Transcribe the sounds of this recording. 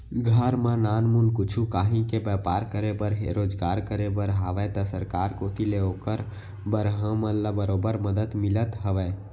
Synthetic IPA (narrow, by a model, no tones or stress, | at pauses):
ɡʱəɾmənanmunkut͡ʃʰukaɦĩkebəpaɾkəɾebəɾɦeɾod͡ʒɡaɾkəɾebəɾɦaʋɛt̪ɔsəɾkaɾkot̪ʰileokəɾ | bəɾɦə̃məlabəɾobəɾməd̪əd̪milət̪ɦəʋɛ